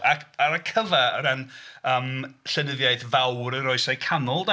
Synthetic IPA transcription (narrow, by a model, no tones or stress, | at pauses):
aaɾakʰəvaɾanəːmɬənɪvjajθvawɾəɾɔɨsajkʰanɔlˠd